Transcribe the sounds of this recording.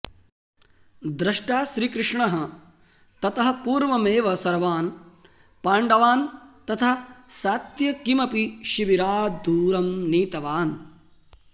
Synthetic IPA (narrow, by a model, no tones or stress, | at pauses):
d̪ɾɐʂʈaːʃɾiːkɾɪʂɳɐɦɐ̆ | t̪ɐt̪ɐɦɐ̆puːɾʋɐmeːʋɐsɐɾʋaːn | paːɳɖɐʋaːnt̪ɐt̪ʰɐsaːt̪jɐkimɐpiʃiʋiɾaːd̪uːɾɐmniːt̪ɐʋaːn